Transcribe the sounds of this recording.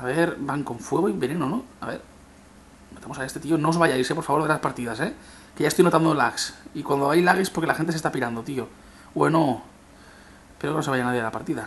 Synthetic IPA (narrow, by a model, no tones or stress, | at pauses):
aβe̞ɾbaŋko̞ɱfwe̞ɣoiβe̞nenonoa̰βe̞̰ɾ | not̪amoaest̪e̞t̪iono̞zβajaisepo̞ɾfaβo̞ɾðelaspaɾt̪iðase | keʝaest̪ojno̞t̪and̪olaksikwand̪oajlaɣ̞ispoɾkelaxent̪eest̪apiɾand̪ot̪io̞ | weno | peɾokno̞sajanaðje̞ðlapaɾt̪iða